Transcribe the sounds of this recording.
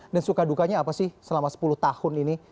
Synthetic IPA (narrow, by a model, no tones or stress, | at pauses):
dansukadukaɲaːpasɪhsəlamasə̥puluht̪ahʊnini